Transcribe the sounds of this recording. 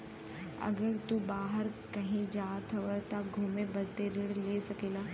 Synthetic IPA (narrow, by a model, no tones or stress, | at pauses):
ɐ̰ɡəɾt̪ubaːɦəɾkɐɦĩd͡ʑaːt̪ʰɐʋəɾt̪aɡʱuːmẽbɐt̪eːɾɪɽ̃lesɐkeːlaː